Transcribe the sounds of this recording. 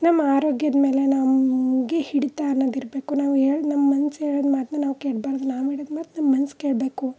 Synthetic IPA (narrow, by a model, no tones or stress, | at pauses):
nɐmːɐaːɾoːɡjɐd̪me̞ːle̞nɐmɡehiɽit̪aːnːoːd̪iɾbe̞ːkunaːʋɦeːɭnɐmːɐmɐnsɦeːɭod̪maːt̪nɐnaːʋukeːɽbaːɾd̪unaːʋeːɭoːd̪maːt̪nɐmːɐmɐnskeːɭbe̞ːku